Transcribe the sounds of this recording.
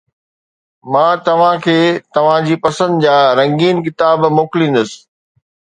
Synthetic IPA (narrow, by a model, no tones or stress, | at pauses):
mãːt̪ɐʋ̤ãkʰeːt̪ɐʋ̤ãd͡ʑiːpɐsə̃nd̪d͡ʑaːɾɐ̃ŋɡiːnk̬ɪt̪aːbmoːkɪlĩːn̆d̪ʊsɪ̥̆